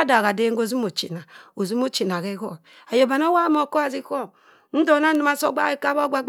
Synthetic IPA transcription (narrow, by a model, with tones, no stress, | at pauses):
a˦da˨ɣa˨de˦ŋ˦ɡo˦zi˦mo˨t͡ʃḭ˨na˨o˨zi˦m˦o˦t͡ʃi˨n˨a˨ɣe˦ɣo̰˦˨ | a˨jo˨ba˨n˦o˦wa˦mo˨ko˦a˨zi˦ko˦˨ | n̩˦do˨˦na˦nu˨˦a˦so̰˦ɡ͡ba̰˦e˦ka˦bo˦ɡ͡ba˦ɡ͡b